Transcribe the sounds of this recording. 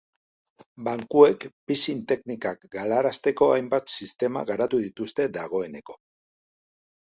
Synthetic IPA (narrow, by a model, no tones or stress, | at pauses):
baŋkue̞kpisint̪e̞knikakɡalaɾast̪e̞ko̞ajmbat̪sist̪e̞ma̰ɣaɾat̪uðit̪ust̪e̞d̪aɣ̞o̞e̞ne̞ko̞̥